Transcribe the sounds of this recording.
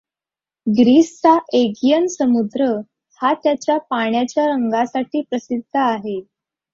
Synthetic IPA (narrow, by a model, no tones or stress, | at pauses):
ɡɾisːaʔeɡjənsəmud̪ɾə | hat̪jat͡ɕjapaɳjat͡ɕjaɾəŋɡasaʈʰiːpɾəsid̪ʱːəaɦe